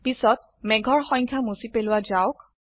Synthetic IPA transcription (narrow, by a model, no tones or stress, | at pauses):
pisɔt | mɛɡʱɔɹxɔɲkʰamusipelʊwad͡ʒaʊk